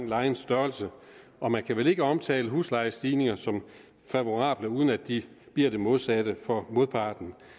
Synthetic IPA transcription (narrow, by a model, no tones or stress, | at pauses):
ŋlɑ̈ɪn̩sd̥ɶɐlsə | ʔɒ̽mænkʰæʋele̝ɡ̥əɒ̽mt͡sʰɛ̰ːləɦṵːslɑ̈ɪəsd̥iːne̝ŋɐsɒ̽m | fæʋo̝ʁɑ̈ːb̥ləuːð̞ˠn̩æd̥̚i | b̥liɐ̰d̥e̝mo̝ð̞ˠsæd̥əfɒ̽mo̝ðˠpʰɑ̈ːd̥n̩